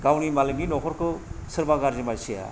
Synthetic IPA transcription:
ɡawnimalɯɡninɔkʰɔɾkɯsɯɾbaɡaɾzimaɾsija̰

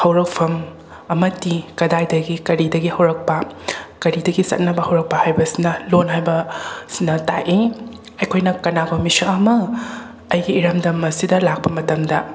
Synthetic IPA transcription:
hɐwɾɐk̚pʰɐm | ɐmɐtikɐdajdɐɡikɐɾidɐɡihɐwɾɐk̚pɐkɐɾidɐɡisɐ̰t̚nɐbɐhɐwɾɐk̚pɐhajbɐsinɐlonɦajbɐsinɐta̰ʔi | ɐjkʰojnɐkɐnaɡomisɐɐmɐ | ɐjɡiːɾɐmdɐmɐsidɐlak̚pɐmɐtɐmdɐ

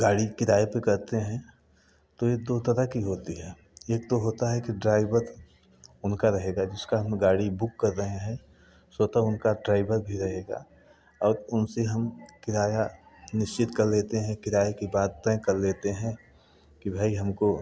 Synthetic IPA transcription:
ɡaːɽikɪɾaːjepekɐɾt̪eɦɛ̃ | t̪ojed̪oːt̪ɐɾakiɦoːt̪iɦɛː | eːkt̪oɦoːt̪aɦɛkiɖɾaːɪbəɾ | ʊnkaɾɐɦeːɡad͡ʒɪskaɦɐmɡaːɽibʊkːɐɾːɐɦẽɦɛ̃ | soːt̪aʊnkaɖɾaːɪbəɾbʱiɾɐɦeːɡa̰ | ɔːɾʊnseɦɐmkɪɾaːja | nɪʃt͡ʃɪt̪kɐɾleːt̪eɦɛ̃kɪɾaːjekibaːd̪̚t̪ɛ̃kɐɾleːt̪eɦɛ̃ | kibʱaːiɦɐmko

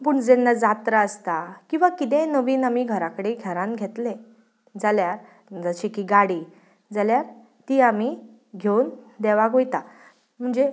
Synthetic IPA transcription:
puːɳd͡zenːad͡zat̪ɾəəst̪akĩw̃ʋakit̪̬ẽnəʋiːnamiːɡʱəɾakəɽeɡʱɛɾãnɡʱet̪le | d͡zaljaɾ | d͡zəɕikiːɡaɽiː | d͡zaljaɾ | t̪iːamiː | ɡʱewnd̪eʋaɡʱojt̪a | m̤əɳd͡ze

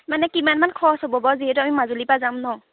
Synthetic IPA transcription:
manɛkimanmankʰɔsɔbɔbɔziɦɛtuamimazulipazamnɔ

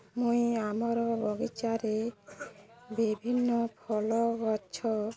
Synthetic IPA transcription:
mũjamɔɾɔbɔɡit͡ʃaɾe | bibʱinːɔpʰɔlɔɡɔt͡ʃʰɔ

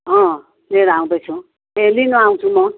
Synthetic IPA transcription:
ɦʌ̃ | leɾaw̃bʌjt͡sʰũ | ɦelinʌaw̃t͡sʰumʌ

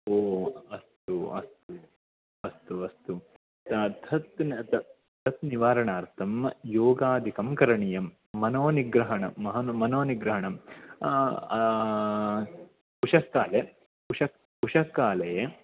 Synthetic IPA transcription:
oːɐst̪uɐ̰st̪u | ɐst̪uɐst̪u | t̪t̪ʰɐt̪nt̪ɐ | t̪ʰɐt̪niʋaːɾɐɳaːɾt̪ʰɐmjoːɡaːd̪ʱikɐmkɐɾɐɳijɐmː | ɐnoːniɡɾɐɦɐɳɐmɐɦɐnmɐnoːniɡɾɐɦɐɳɐm | puʂɐkːaːle | puʂɐk̚ | puʂɐkːaːlɐje

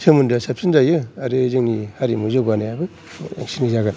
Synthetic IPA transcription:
sʰemundasap̚sinzajɯaɾɯzɯŋnihaɾimuzaɡanajabɯ | a̰ŋsinizaɡan

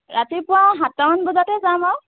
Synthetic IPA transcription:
ɹatipʊwaɦatːamanbɔzatɛzamaw

